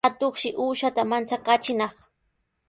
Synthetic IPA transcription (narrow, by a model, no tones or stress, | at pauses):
at̪oχʃɪʔuːʃat̪amant͡sakat͡ʃɪnɑχ